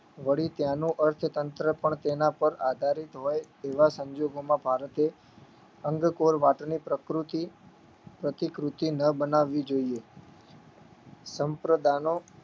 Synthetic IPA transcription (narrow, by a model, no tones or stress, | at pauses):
ʋəɽit̪janũʔəɾt̪ʰt̪ənt̪ɾəpəɳt̪enapəɾad̪ʱaɾit̪ɦoj | eʋasəɲd͡ʒoɡomãbʱaɾət̪e | əŋɡkoɾʋaʈnipɾəkɾut̪i | pɾət̪ikɾut̪inəbənaʋːid͡ʒoie | səmpɾəd̪ʱano